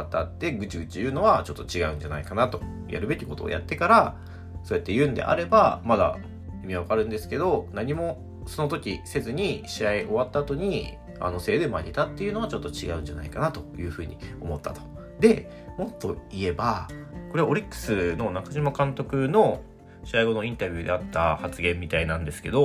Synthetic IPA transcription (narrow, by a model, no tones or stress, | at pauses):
at̪ːat̪ːe̞ɡɯ̟t͡ɕiɡɯ̟t͡ɕijɯ̟ːno̞βat͡ɕo̞t̪ːo̞t͡ɕiɡaɯ̟̃ɲ̟d͡ʑana̰ikanat̪o̞ | ja̰ɾɯ̟be̞kʲiko̞t̪o̰ja̰t̪ːe̞kaɾa | so̞ːjat̪ːe̞jɯ̟ːnd̪e̞̰ʔa̰ɾe̞bamad̪a̰ | omʲiβakaɾɯ̟̃nd̪e̞sɨ̥ke̞d̪o̞naɲ̟imo̞ | so̞no̞t̪o̞kʲise̞zɨɲ̟iɕiaiʔo̞βat̪ːaːt̪o̞ɲ̟i | a̰no̞se̞ːd̪emaɲʲet̪at̪ːe̞jiɯ̟no̞at͡ɕo̞t̪ːo̞t͡ɕiɡa̰ɯ̟̃ɲ̟d͡ʑana̰ikanat̪o̞jɯ̟ːɸɯ̟ːɲ̟ḭo̞mo̞t̪ːa̰t̪o̞̥ | d̪e̞ | mo̞t̪ːo̞ie̞bako̞ɾe̞aoɾʲikːɯ̥sɨno̞nakaʑimakãnt̪o̞kɯ̟no̞ | ɕiaiɡo̞no̞ĩnt̪abʲɯ̟ːd̪e̞̰at̪ːahat͡sɨɡẽ̞mʲːit̪ainãnd̪e̞sɨ̥ke̞d̪o̞